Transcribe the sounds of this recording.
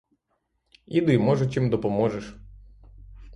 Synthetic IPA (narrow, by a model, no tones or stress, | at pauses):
id̪ɪjmɔʒʊt̪ʲimd̪ɔpɔmɔʒeʃ